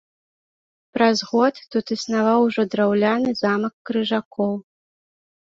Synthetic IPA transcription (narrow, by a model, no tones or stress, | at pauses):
pɾazɣɔt̪ːut̪isnavawʐɔd̪ɾawlʲanɨzamɐkːɾɨʐakʰɔw